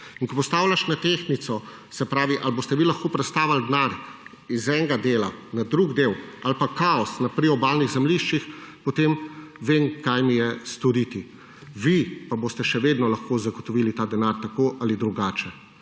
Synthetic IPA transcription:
inkɔpɔst̪aːwlʲaʃnat̪exnit̪sɔ | sɛpɾaːʋiʔalboːst̪ɛʋilaxkoːpɾɛt̪st̪aːʋald̪naɾ | izɛŋɡad̪eːlanad̪ɾuɡd̪ewalpakaɔsnapɾiɔbaːlniɣzɛmliʃt͡ʃixpɔt̪emʋemkajmijɛst̪ɔɾit̪i | ʋipaboːst̪ɛʃɛʋeːd̪nɔlaxkoːzaɡɔt̪ɔʋilit̪aːd̪ɛnaɾt̪akoʔalid̪ɾuɡaːt͡ʃɛ

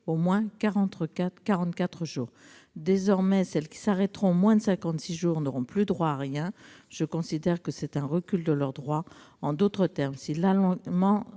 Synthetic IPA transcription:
omwɛ̃kaʁɑ̃t̪χkakaʁɑ̃t̪kat̪χəʒuːʁ | d̪ezɔʁmɛsɛlkʲi̥saʁɛt̪ʁɔ̃mwɛ̃d̪əsɛ̃kɑ̃t̪siʒuːʁnɔʁɔ̃plyd̪ʁwaːʁjɛ̃ʒ̥əkɔ̃sid̪ɛʁkəsɛt̪ɛ̃ʁəkʲyld̪əlœʁd̪ʁwaɑ̃d̪ot̪χət̪ɛʁmsilalɔ̃mɑ̃

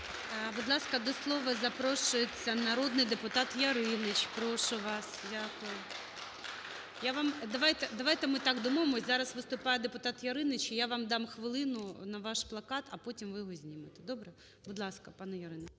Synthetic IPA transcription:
bʊd̪lˠɑskɐd̪ɔslˠɔʋɐzɐpɾoʃʊjet͡sʲːɐnɐɾod̪nɪjd̪ɪpʊt̪ɑt̪jɐɾɪnɪt͡ʃpɾoʃʊʋɑsdʲakʊjʊ | jaʋɑmd̪ɐʋajt̪ɛd̪ɐʋajt̪ɛmɪt̪ɑɡd̪umoʋemɔzɑɾɐsʋɨst̪ʊpɑjɛd̪epʊt̪ɑt̪jɐɾɪnɪt͡ʃijaʋɑmd̪ɑmxʋɪlˠɪnʊnɐʋɑʃplˠɐkɑt̪ɐpotʲimʋɪjɔɦɔzʲnʲimɪt̪ɛd̪obɾɛ | bʊd̪lˠɑskɐpɑnɛjɐɾɪnɪ

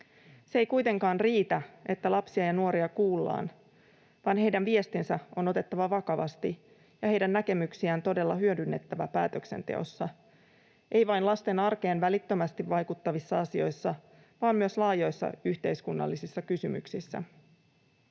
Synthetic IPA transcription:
see̞jkujt̪e̞ŋkɑːnriːt̪æe̞t̪ːælɑpsiɑjɑnuo̞ɾiɑkuːlːɑ̰ːn | ʋɑnɦe̞jdænʋie̞st̪insæo̞no̞t̪e̞t̪ːɑʋɑʋɑkɑʋɑ̰st̪i | jɑɦhe̞jdænːæke̞myksiænt̪o̞de̞lːɑɦyødynːe̞t̪ːæʋæpæ̰ːt̪økse̞̰nt̪e̞̰o̞̰sːɑ | ʔe̞jʋɑjnlɑst̪enɑrke̞ːnʋælit̪ːømæst̪iʋʋɑjkut̪ːɑʋisːɑɑsio̞jsːɑ | ʋɑːmmyøslɑːjo̞jsːɑ̰yçt̪e̞jskunːɑ̰lːisisːɑkysymy̰ksisːæ̰

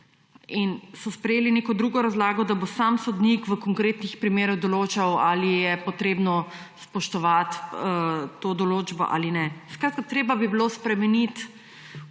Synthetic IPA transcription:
insɔspɾɛjeːlineːkɔd̪ɾuɡɔɾazlaːɡɔd̪abosamsɔd̪nikʋəkɔŋkɾeːt̪nixpɾimeːɾɔwd̪ɔloːt͡ʃawalijɛpɔt̪ɾeːbnɔ | spɔʃt̪ɔʋat̪ət̪ːoːd̪ɔloːd͡ʒbɔ̰ʔa̰ːlinɛskɾat̪̚kat̪ɾeːbabibilospɾɛmɛnit̪

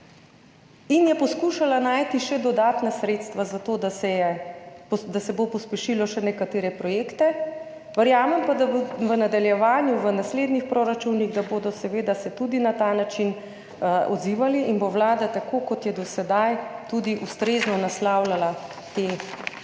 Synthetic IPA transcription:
injɛpɔskuːʃalanaːjt̪iʃɛd̪ɔd̪aːt̪nasɾeːt̪st̪ʋazat̪oːd̪asɛjɛ | d̪asɛbopɔspɛʃilɔʃɛnɛkat̪eːɾɛpɾɔjeːkt̪ɛ | ʋəɾjaːmɛmpad̪abʋənad̪aljɛʋaːnjuʋənasleːd̪nixpɾoɾat͡ʃuniɣd̪aboːd̪ɔsɛʋeːd̪asɛt̪ud̪inat̪aːnat͡ʃin | ɔ̰d̪ziːʋaliʔinboʋlaːd̪at̪akokɔt̪jɛd̪ɔsɛd̪ajt̪ud̪iʔust̪ɾeːznɔnaslawlala | t̪e

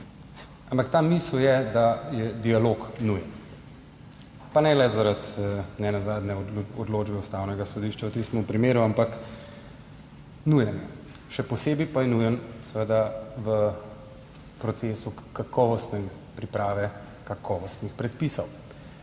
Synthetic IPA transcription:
ampakt̪amisljɛd̪ajɛd̪ialoːknujən | panɛlɛzaɾat̪nɛnazaːd̪nɛɔd̪loːd͡ʒbɛust̪awnɛɡasɔd̪iʃt͡ʃawt̪ist̪mɔmpɾimeːɾuampak | nujənɛ | ʃɛpɔseːbipajɛnujənsɛʋəd̪aʋə | pɾɔt̪seːsukakɔːʋɔst̪nɛ | pɾipɾaːʋɛ | kakʰɔːʋɔst̪nixpɾɛt̪̚pisɔw

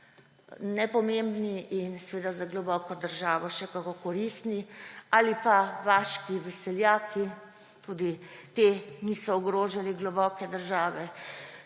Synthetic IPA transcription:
nɛpɔmembniʔinsɛʋeːd̪azaɡlɔbɔkɔd̪əɾʒaːʋɔʃɛkakokɔɾist̪nialipaʋaʃkiʋɛsɛljaːkʰi | t̪uːd̪it̪enisɔːɡɾoːʒaliɡlɔbɔkɛd̪əɾʒaːʋɛ

